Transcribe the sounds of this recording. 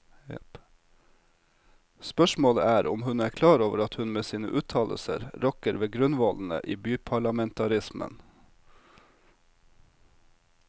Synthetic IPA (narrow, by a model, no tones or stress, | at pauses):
spœʂmoːləæːɾʔʊmhʉnæːkʰlɑːɾoːʋəɾɑt̪hʉnmeːsiːnə̰ʔʉːt̪ʰɑːlə̰sə̰ɾɾɔkəɾʋeːɡɾʉnʋɔln̩ə̰ʔiːbyːpʰɑɭɑmɛnt̪ʰɑɾɪsmə̰n